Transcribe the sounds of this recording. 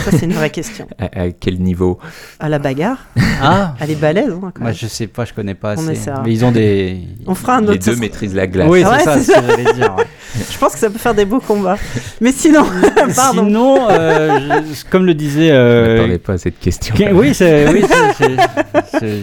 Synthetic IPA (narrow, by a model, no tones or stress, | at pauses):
sasɛynvʁɛkʲɛst̪jɔ̰̃aʔakʲɛlnivoalabaɡaʁaɛlɛbalɛzɛ̃kmaʒəsɛpaʒəkɔnɛpaɔ̃nɛsɛʁmɛilzɔ̃d̪eɔ̃fʁaɛ̃nod̪ømett̪χizlaɡlawiwɛsaɛsaʒlɛd̪iʁ | ʒ̥əpɑ̃skə̥sapøfɛʁd̪ebokɔ̃bamɛsinɔ̃paʁdiɔ̃nɔ̃ʒkɔmləd̪izɛøat̪ɑ̃d̪ɛpasɛt̪kʲɛst̪ʰjɔ̃wisɛwissɛ